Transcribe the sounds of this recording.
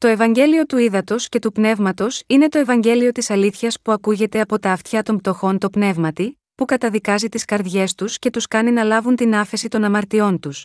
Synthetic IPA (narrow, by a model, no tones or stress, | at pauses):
t̪o̞e̞vɐɲɟe̞lio̞t̪uiðɐt̪o̞sce̞t̪upne̞vmɐt̪o̞sine̞t̪o̞e̞vɐɲɟe̞lio̞t̪isɐliθçɐspuɐkuʝe̞t̪e̞ɐpo̞t̪ɐːft̪çɐt̪o̞mpt̪o̞xo̞nt̪o̞pne̞vmɐt̪i | pukɐt̪ɐðikɐzit̪iskɐɾðʝe̞st̪usce̞t̪uskɐninɐlɐvunt̪inɐfe̞sit̪o̞nɐmɐɾt̪io̞nt̪us